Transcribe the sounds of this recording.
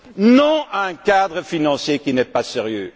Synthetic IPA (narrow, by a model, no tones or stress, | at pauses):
nɔ̃ɛ̃kad̪ʁəfinɑ̃sjekinɛpaseʁjø